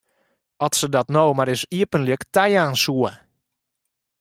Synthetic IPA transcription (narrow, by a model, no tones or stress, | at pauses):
ɔtsədɔtnowmaɾɪsiəpənliəktɛjaːnsuə